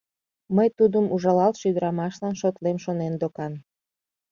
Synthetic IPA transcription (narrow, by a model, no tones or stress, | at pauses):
məjt̪ud̪əmuʒɑlɑlʃyd̪əɾɑmɑʃlɑnʃot̪lemʃonend̪okɑn